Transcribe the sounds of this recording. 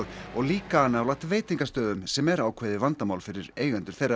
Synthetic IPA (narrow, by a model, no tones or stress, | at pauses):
ɔɣliːkaanːaawlaht̪veːjt̪iŋkast̪œːðʏmsɛmɛɾaːwkʰvɛjðɪvant̪amaːwlfɪɾɪɾeːjɣɛnt̪ʏ̥ɾ̥θejrːa